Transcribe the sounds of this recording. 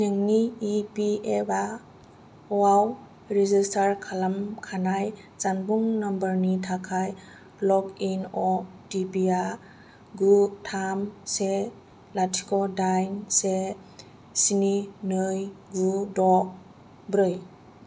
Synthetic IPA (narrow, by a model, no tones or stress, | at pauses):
nɯŋniːpieba | waw | ɾizistʰaɾkʰalamkʰanaj | t͡ʃanbuŋnambəɾnitʰakʰaj | lɔkinɔdipia | ɡutʰamse | latʰi̥kɔdajnse | sininɯjɡudɔ | bɾɯj